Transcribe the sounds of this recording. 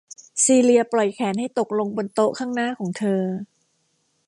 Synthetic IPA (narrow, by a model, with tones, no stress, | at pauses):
siː˧li˧ɐplɔ˨˩jkʰɛː˩˦nha˥˩jt̪o˨˩k̚lo˧ŋbo˧nt̪o˦˥ʔkʰaː˥˩ŋnaː˥˩kʰɔː˩˦ŋt̪ʰɤː˧